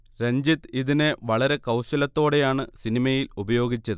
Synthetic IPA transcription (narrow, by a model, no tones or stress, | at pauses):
ɾeɲd͡ʑit̪iðineʋɐɭɐɾe̞kɐwɕɐlɐt̪ːo̞ːɽe̞jaːɳɨsinimɐjilubɐjo̞ːɡit͡ɕːɐðɨ